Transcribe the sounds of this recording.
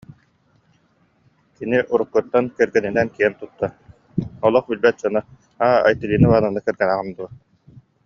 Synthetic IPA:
kiniʔuɾukːɯɾt̪ːankɛɾɡɛninɛnkiɛnt̪ut̪ːa | ɔlˠɔχbilbɛt̪̚d͡ʑɔna | aːa̰jt̪iliːnɯβaːnanːakɛɾɡɛnaʁɯnd̪uɐ

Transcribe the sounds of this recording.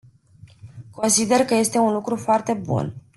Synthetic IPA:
ko̞nsid̪e̞rkəje̞st̪e̞unlukɾufoart̪e̞bṵn

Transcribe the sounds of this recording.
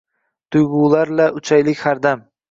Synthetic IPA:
t̪ʰʊjɡuːlaɾlaʊt͡ʃʰajlɪkʲhaɾd̪am

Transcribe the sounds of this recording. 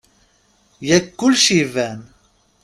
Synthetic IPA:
jɛkːulʃivɛn

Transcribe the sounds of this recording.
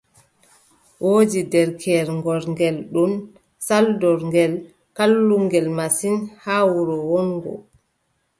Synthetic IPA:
wʔoːd͡ʒidɛɾkʰɛɾŋɡɔɾŋɡɛlɗun | saldɔɾŋɡɛl | kalːuŋɡɛlmasinhaːwuɾɔwɔnɡɔ̰

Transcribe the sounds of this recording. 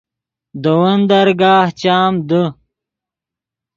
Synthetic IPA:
d̪əwɐnd̪ɐɾɡaːht͡ɕaːmd̪ə

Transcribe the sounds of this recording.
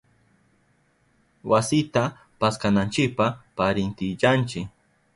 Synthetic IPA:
wasɪt̪a | paskanant͡ʃɪk̚papaɾɪnt̪ɪt͡ʃant͡ʃɪk

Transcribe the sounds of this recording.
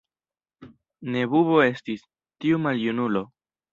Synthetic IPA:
ne̞βuβo̞e̞stis | tiumaljunulo̞

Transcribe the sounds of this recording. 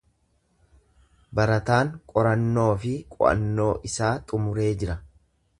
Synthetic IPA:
bɐɾɐt̪aːŋkʼɔɾɐnːo̞ːfɪkʼʊ̰ʔɐ̰nːo̞ːʔɪsaːt̪ʼʊmʊɾe̞ːd͡ʒɪɾɐ

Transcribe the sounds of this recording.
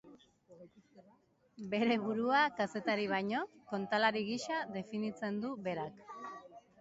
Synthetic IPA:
be̞ɾe̞βuɾuakase̞t̪aɾiβ̞ajɲo̞ko̞nt̪alaɾiɣiʃaðe̞finit͡se̞nd̪uβe̞ɾak

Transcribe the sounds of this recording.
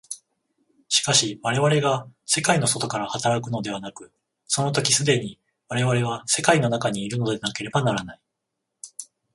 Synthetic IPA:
ɕi̥kaɕiβaɾe̞βaɾe̞ɡase̞kaino̞so̞t̪o̞kaɾahat̪aɾakɯ̟no̞d̪e̞β̞anakɯ̟ | so̞no̞t̪o̞kʲisɨd̪e̞ɲ̟i | βaɾe̞βaɾe̞β̞ase̞kaino̞nakaɲ̟iːɾɯ̟no̞d̪e̞nake̞ɾe̞banaɾanai

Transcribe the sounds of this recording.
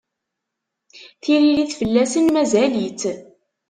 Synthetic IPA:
θiɾiliθfəlːæsənmæzælit͡s

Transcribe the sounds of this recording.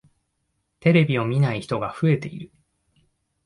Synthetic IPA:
t̪e̞ɾe̞bʲio̞mʲinaiçi̥t̪o̞ɡaɸɯ̟e̞t̪e̞iɾɯ̟

